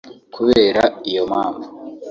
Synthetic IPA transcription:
kʰuβeːɾaijomaːɱvo

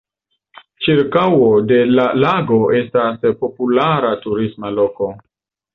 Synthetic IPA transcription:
t͡ʃiɾkawode̞lalaɡo̞ʔe̞staspo̞pulaɾatuɾismalo̞ko̞

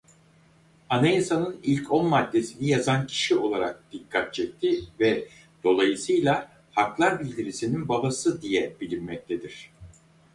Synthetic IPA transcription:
anajasanɯnilʲcʰo̞nmad̪ːe̞sinijazancʰi̥ʃio̞lˠaɾak̚d̪̥ikʰːat̪̚t͡ʃʰɛc̚t̪ʰivɛ | d̪̥o̞lˠajɯsɯjlʲˠa | haklˠaɾbilʲd̪iɾisininbabasɯd̪ijɛb̥ilʲimmɛc̚t̪ʰed̪iɾ̝̥

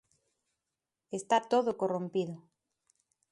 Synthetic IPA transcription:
est̪at̪oðokorõmpiðʊ

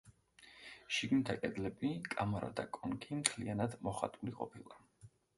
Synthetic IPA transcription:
ʃiɡnit̪ʰakʼɛd̪lɛbikʼamaɾa̰d̪akʼɔŋkʰimt̪ʰlianad̪mɔχa̰t̪ʼuliqʼɔ̰pʰilˠa

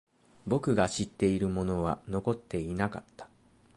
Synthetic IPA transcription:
bo̞kɯ̟ɡaɕit̪ːe̞iɾɯ̟mo̞no̞βano̞ko̞t̪ːe̞inakat̪ːḁ

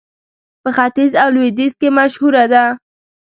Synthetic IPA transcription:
pəxat̪izawlwed̪izkemaʃhuɾad̪a

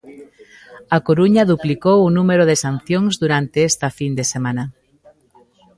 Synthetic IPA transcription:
akoɾuɲaðuplikowunumeɾoðesan̟θjoŋzðuɾant̪eest̪ɐfind̪esemãna

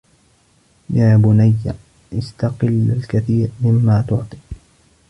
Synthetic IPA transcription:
jaːbʊnajːa̰ | ʔɪst̪aqɪlːalkaθiːɾmɪmːaːt̪ʊʕt̪ˤi̥ː

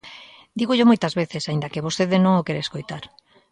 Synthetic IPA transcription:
d̪iɣoʎomojt̪ɐzβeθesaind̪ɐkeβost̪eðenõŋokeɾeeskojt̪aɾ

